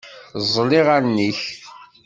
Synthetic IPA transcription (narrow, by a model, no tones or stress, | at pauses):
zˤliʁaɾniç